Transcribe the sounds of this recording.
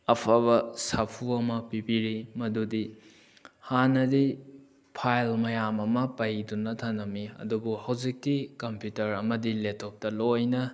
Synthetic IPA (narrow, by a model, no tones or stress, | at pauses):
ɐpʰɐβɐsapʰuɐmɐpibiɾimɐdudi | hanːɐdi | pʰajlmɐjamɐmɐpɐjdunɐtʰɐnːɐmːiɐ̰dubuhawd͡ʒik̚tikɐmpʰjutɐɾɐmɐdiletʰop̚tɐlojnɐ